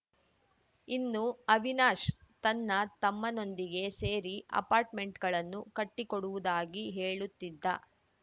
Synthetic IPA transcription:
inːuɐʋinaːʃt̪ɐnːɐt̪ɐmːɐno̞nd̪iɡe̞se̞ːɾiʔɐ̰paːɾʈme̞ɳʈɡɐɭɐnːukɐʈːikoɽuʋud̪aːɡiɦe̞ːɭut̪ːid̪ːɐ

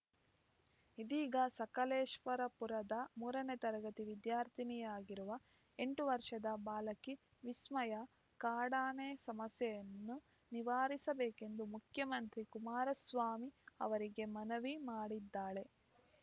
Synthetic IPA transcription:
id̪iːɡɐsɐkɐleːʃʋɐɾɐpuɾɐd̪ɐmuːɾɐnet̪ɐɾɐɡɐt̪iʋid̪jaːɾt̪ʰinijaːɡiɾuʋɐ | e̞ɳʈuʋɐɾʂɐd̪ɐbaːlɐki | ʋismɐjɐ | kaːɽaːnesɐmɐsjɐjɐnːu | niʋaːɾisɐbeːke̞nd̪umukʰjɐmɐnt̪ɾikumaːɾɐsʋaːmiɐ̰ʋɐɾiɡe̞mɐnɐʋimaːɽid̪ːaːɭe̞

